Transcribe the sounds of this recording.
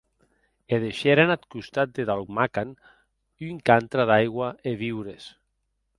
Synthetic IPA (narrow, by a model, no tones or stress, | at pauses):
eðeʃeɾanat̪kust̪at̪̚d̪eðalkmakan | yŋkant̪ɾaðajɣwaeβiwɾes